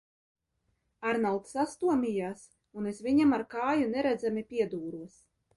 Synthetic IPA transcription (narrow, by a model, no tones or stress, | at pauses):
aɾnalˠt̪sast̪uɔmʲijaːs | unesvʲiɲamaɾkaːjunɛɾæd̪zamipʲiɛd̪uːɾuɔs